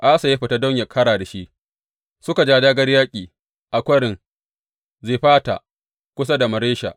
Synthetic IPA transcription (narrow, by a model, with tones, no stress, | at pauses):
ʔa˦sa˨ja˦ɸɪ˨ta˦dɔ˦ɲja˨kʰɐ˦ɽaː˨da˨ʃi˦ʔ | sʊ˦ka˨d͡ʒaː˦daː˦ɡɐ˦rjaː˦kʲʼiː˨ | ʔa˨kʷɐ˦ɽɪ˨ŋ | zeː˨ɸaː˦ta̰˨ | kʷʊ˦s̬a˦da˨mɐ˨ɾeː˦ʃa̰˨ʔ